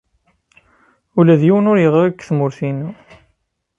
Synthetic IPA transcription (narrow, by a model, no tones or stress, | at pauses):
ulæðjiwənʊɾjəʁækːθmʊɾθinu